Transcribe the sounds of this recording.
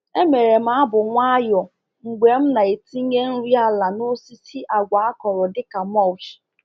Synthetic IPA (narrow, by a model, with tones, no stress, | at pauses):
e˦me˨ɾe˨m̩˦a˦bʊ˨ŋʷa˦jɔ˨ | ŋ͡m̩˨ɡ͡be˨m̩˦na˨e˨ti˦ɲe˦n̩˦ɾi˦a˦la˨no˦si˦si˦ʔa˨ɡʷa˨a˦kɔ˨ɾʊ˨dɪ˦ka˨m˦ɔ˦˨t͡ʃi̥˨